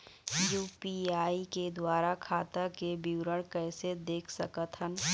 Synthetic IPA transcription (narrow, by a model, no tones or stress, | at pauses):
juːpiaːiked̪waːɾakʰaːt̪akebiwɾəɽ̃kɛːsed̪eːkʰsəkət̪ɦən